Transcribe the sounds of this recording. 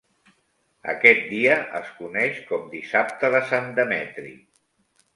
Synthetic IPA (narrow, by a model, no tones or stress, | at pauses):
ə̰kɛt̪̚d̪iəʔəskunɛʃkɔmd̪isap̚t̪əðəsand̪əmɛt̪ɾḭ